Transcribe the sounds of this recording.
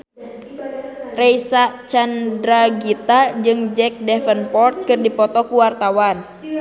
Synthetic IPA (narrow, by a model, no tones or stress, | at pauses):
rɛjsat͡ʃandɾaɡit̪ad͡ʒɨŋd͡ʒɛk̚dɛfənpɔrt̪̚kɨrdipɔt̪ɔkuwart̪awan